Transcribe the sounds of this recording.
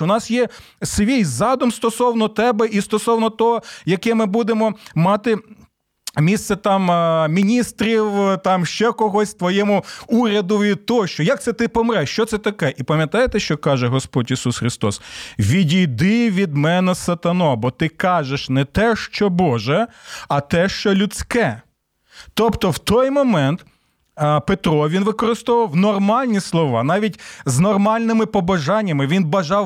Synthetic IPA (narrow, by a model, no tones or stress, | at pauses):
ʊnɑsjɛ | sʋʲijzɑd̪ɔmst̪ɔsɔwnɔt̪ɛbɛʔist̪ɔsɔwnɔt̪ɔɦɔjɐkɛmɪbud̪emɔmɑt̪ɪ | mʲist̪sɛt̪ɑmmʲinʲist̪ɾʲiwt̪ɑmʃt͡ʃɛkɔɦɔsʲt̪ʋɔjɛmʊuɾʲɐd̪ʊʋʲid̪̚t̪ɔɦɔʃt͡ʃɔjak̪̚sɛt̪ɪpɔmɾɛʃt͡ʃɔt̪sɛt̪ɐkɛʔipɐmʲjɐt̪ɑjet̪ɛʃt͡ʃɔkɑʒɛɦɔspɔdʲisusxɾɪst̪ɔsʋʲidʲijd̪ɪʋʲid̪mɛnɛsɐt̪ɐnɔbɔt̪ɪkɑʒeʃnɛt̪ɛʃt͡ʃɔbɔʒɛɐt̪ɛʃt͡ʃɔlʲʊt͡sʲkɛ | t̪ɔpt̪ɔwt̪ɔjmɔmɛnt̪ | pet̪ɾɔʋʲinʋɪkɔɾɪst̪ɔʋɐwnɔrmɑlʲnʲislˠɔʋɑnɑʋʲitʲznɔrmɑlʲnɪmɪpɔbɐʒɑnʲːɐmɪʋʲinbɐʒɑw